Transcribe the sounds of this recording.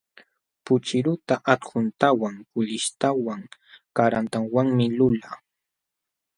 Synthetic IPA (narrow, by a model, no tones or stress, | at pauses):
pʊt͡ʃɪɾʊt̪aʔat̪ɢʊnt̪awaŋkʊʎɪʃt̪awaŋkaɾant̪aŋwaŋmɪlʊla